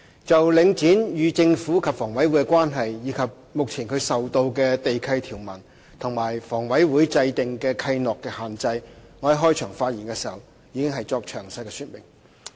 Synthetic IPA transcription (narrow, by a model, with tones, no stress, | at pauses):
t͡sɐ˨wlɪ˨˧ŋt͡siː˨˥njyː˨˧t͡sɪ˧ŋfuː˨˥kʰɐ˨p̚fɔː˨˩ŋwɐ˨˥jwu˨˥jkɛ˧kwaː˥nɦɐ˨jːiː˨˧kʰɐ˨p̚mʊ˨k̚t͡sʰiː˨˩nkʰɵ˨˧ɥsɐ˨wt̪o˧wkɛː˧t̪e˨jkʰɐ˧jt̪ʰiː˨˩wmɐ˨˩n | t̪ʰʊ˨˩ŋmaː˨˩jfɔː˨˩ŋwɐ˨˥jwuː˨˥jt͡sɐ˧jt̪ɪ˨ŋkɛː˧kʰɐ˧jnɔː˨kːɛː˧haː˨nt͡sɐ˧jŋɔ˧˥ɐ˨˧ɦɔː˥jt͡ʃʰœː˨˩ŋfaː˧t̚jiː˨˩nkɛ˧siː˨˩hɐ˨w | jiː˨˧kɪ˥ŋɦɐ˨jt͡sɔː˧k̚t͡ʃʰœ̰ː˨˩ŋsɐ˧jkɛ˧syː˧t̚mɪ̰˨˩ŋ